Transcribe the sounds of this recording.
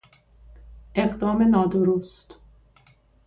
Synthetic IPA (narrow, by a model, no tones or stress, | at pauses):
ʔeɣd̪ɒːmenɒːd̪oɾost̪